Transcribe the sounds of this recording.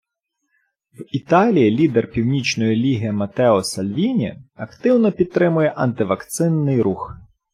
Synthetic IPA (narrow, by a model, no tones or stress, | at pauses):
wit̪ɑlʲijilʲid̪ɛrpʲiwnʲit͡ʃnɔjilʲiɦijɐmɐt̪ɛɔsɐlʲʋʲinʲḭɐkt̪ɪwnɔpʲid̪̚t̪ːɾɪmʊjɛʔɐnt̪ɪʋɐkt̪sɪnːɪjɾux